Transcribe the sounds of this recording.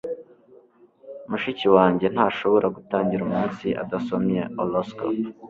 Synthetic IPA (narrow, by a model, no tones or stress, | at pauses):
umuʃiciwaːɲɟe̞n̥haːʃo̞βo̞ɾʔaɡutaːɲɟiɾumuːnsiʔa̰daso̞mɲe̞olosko̰